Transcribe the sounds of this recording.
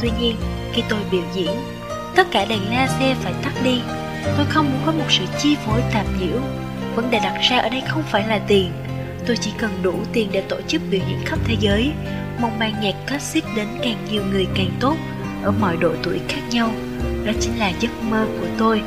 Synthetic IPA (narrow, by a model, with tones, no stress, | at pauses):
t̪wi˧ɲi˧ən | xi˧t̪o˧jɓḭ˧˩əwzḭ˧˨ən | t̪ə˦˥t̚kaː˧˩ɗa˨˩ŋlaː˧sɛ˧faː˧˩jt̪a˦˥t̚ɗi˧ | t̪o˧jxə˧wŋ͡mmu˨˦nkɔ˨˦mo˨˩t̚sɨ̰˧˨t͡ɕi˧vo˨˦jt̪aː˨˩p̚ɲḭ˧˥əw | və̰˧˥nɗe˨˧˨ɗa˨˩t̚z̥aː˧ʔəː˧˩ɗə˧jxə˧wŋ͡mfaː˧˩jlaː˨˩t̪i˨˩ən | t̪o˧jt͡ɕḭ˧˩kə˨˩nɗu˧˩t̪i˨˩ənɗḛ˧˩t̪o˧˩t͡ɕɨ˦˥k̚ɓḭ˨˩zḭ˧˥nxə˦˥p̚t̪ʰe˨˦zəː˨˦j | mɔ˨˧˩wŋ͡m̚maː˧ŋɲɛ˨˩k̚kə˦˥t̚si˦˥t̚ɗe˨˦nkaː˨˩ŋɲi˨˩əwŋɨ˨˩əjkaː˨˩ŋt̪o˦˥t̚ | ʔəː˧˩mɔ̰˧˨jɗo̰˧˨t̪ṵ˧˩ə˨jxaː˦˥k̚ɲa˧w | nɔ˨˦t͡ɕï˨˦n̟laː˨˩zə˦˥t̚məː˧ku˧˩ət̪o˧j